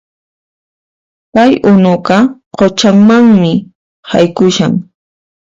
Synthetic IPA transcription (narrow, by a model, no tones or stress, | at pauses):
pajʊnʊɢɑqot͡ʃaŋmaŋmɪ | ha̰jkʊʃa̰ŋ